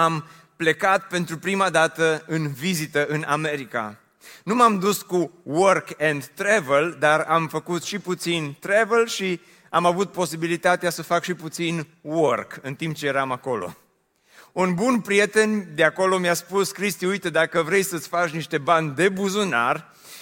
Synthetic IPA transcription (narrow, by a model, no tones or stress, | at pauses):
am | ple̞kat̪̚pe̞nt̪ɾupɾimad̪at̪əɨnvizit̪əʔɨnʔame̞ɾika̰ | numamd̪uskuworkend̪ːɾeveld̪aramfəkut̪ʃiput̪sint̪ɾevelʃi | amavut̪̚po̞sibilit̪at̪easəfakʃiput̪sinworkɨnt̪imp̚t͡ʃejeɾamako̞lo̞̰ | unbunpɾije̞t̪e̞nʲd̪eako̞lo̞mjaspuskɾist̪iujt̪ed̪akəvɾe̞jsət̪sʲfat͡ʃniʃt̪e̞banʲd̪e̞buzuna̰r